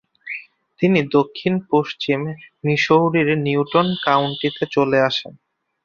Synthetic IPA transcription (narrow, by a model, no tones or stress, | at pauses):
t̪inid̪okʰːinpoʃt͡ɕimniʃoɾiɾniuʈonkawɳʈit̪et͡ɕoleaʃen